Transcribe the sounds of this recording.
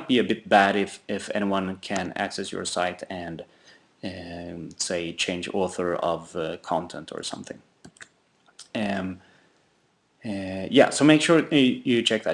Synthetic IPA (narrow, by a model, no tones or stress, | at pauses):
t̚b̥iɨbɪt̚b̥æɾɪfɪfɛ̰ñiwʌ̃nkʰɨ̃næ̰ksɛsjə̰˞saɪɾɨ̃n | seɪt͡ʃʰẽɪ̃nd͡ʒɔɹθə˞ʌ̰vkʰɑ̃ntʰɛ̃ntʰə̰˞sʌ̰̃mθɪ̰̃ŋ | ʌ̃m | jæ̰soʊmeɪkʃʊɹjɨt͡ʃʰɛk̚ðɨ